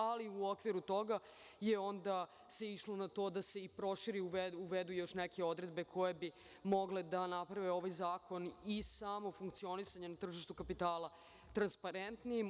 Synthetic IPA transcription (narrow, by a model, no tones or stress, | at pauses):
aliuo̞kʋiɾut̪o̞ɡa | je̞o̞nd̪a | se̞iʃlo̞nat̪o̞ːd̪ase̞ipɾo̞ʃiɾiuuʋed̪ujo̞ʃneke̞o̞d̪ɾed̪̚be̞kʰo̞jebi | mo̞ɡled̪anapɾaʋeo̞ʋajzaːko̞nisamo̞fuŋk̚t̪sio̞nisaɲenat̪r̩ʒiʃt̪ukapit̪aːla | t̪ɾanspaɾent̪nijim